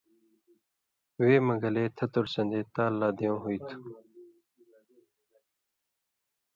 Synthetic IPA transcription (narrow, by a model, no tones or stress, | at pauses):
weːməɡəleːt̪ʰɐt̪oɽsɐ̃nd̪eːt̪aːlːaːd̪ejõːɦuit̪ʰu̥